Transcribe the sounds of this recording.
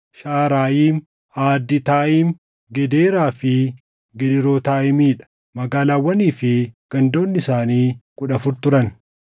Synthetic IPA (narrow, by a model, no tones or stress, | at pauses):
ʃaːɾaːjiːm | aːd̪ːɪt̪aːʔiːm | ɡɛd̪eːɾaːfɪ | ɡɛᶑɪɾoːt̪aːʔɪmiːᶑɐ̥ | mɐɡaːlaːwːɐniːfɪɡ̥ɐnd̪o̞ːnːɪsaːniːkʼʊᶑɐfʊɾt̪ʊɾɐn